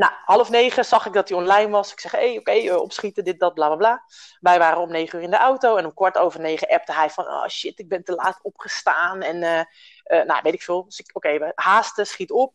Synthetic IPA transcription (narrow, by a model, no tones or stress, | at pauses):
nahɑlˠəfneːχəzɑχɪk̚dɔt̚iɔnlɛjnʋɑsɪksɛχejowkejəɔ̰psχitədɪt̚dɔt̚blaːblablaː | ʋɛjʋaːɾənomnejχəyːrɪndəʔawtowɛnɔmkʋɔɹtoːvərnejχəʔɛp̚təɦɛjfɔnɔ̰ːʃɪtɪɡ̚bɛntəlaːtɔpχəstaːnɛnə | əna̰ʋejtɪ̥kfɪːlˠsɪkowkejʋəhaːstəsχitəɔp̚